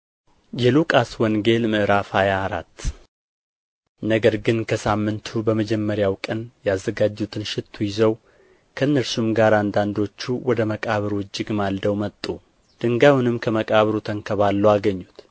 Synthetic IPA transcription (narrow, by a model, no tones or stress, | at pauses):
jɛlukʼaswɔŋɡe̞lmɨʔɾafajaːɾa̰t̪ː | nəɡəɾɡɨnkʰəsamːɨnt̪ʰubəməd͡ʒɛmːəɾjawkʼənjazːəɡad͡ʒːut̪ʰɨnʃɪt̪ʰːujɪzəw | kʰəɨnːəɾsumɡaɾand̪and̪o̞t͡ʃːuwɔd̪əməkʼaβɨɾwʊd͡ʒːɪɡmald̪əwmət̪ʼːu | d̪̥ɨŋɡawnɨmkʰəməkʼaβɾut̪ʰəŋkʰəβalːəwaɡəɲːut̪